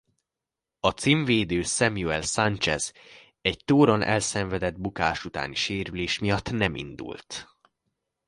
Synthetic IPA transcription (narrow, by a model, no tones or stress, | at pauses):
ɒt̪siɱveːd̪øːsɛmjuɛlsant͡ʃɛ̰z | ɛɟt̪oːɾo̞nʔɛ̰lsɛɱvɛd̪ɛd̪bukaːʃut̪a̰ːniʃeːɾyleːʃmijɒt̪ːnɛmḭnd̪ṵlt̪